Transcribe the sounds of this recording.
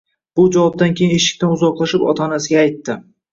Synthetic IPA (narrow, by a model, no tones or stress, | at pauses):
b̥ʊd͡ʒavɒb̚d̪ankʲʰejɪne̞ʃɪ̥kʲt̪anʊzɒqlˠaʃɪpɒ̰t̪ʰɒnasɪɡʲaːjt̪ːɪ